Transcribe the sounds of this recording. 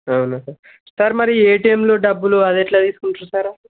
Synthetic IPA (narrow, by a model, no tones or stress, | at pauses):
ɐwnusa | saɾmɐɾieːʈiemloːɖɐbːuluɐd̪eʈlaːt̪iːsu̥kuɳʈɾusaɾa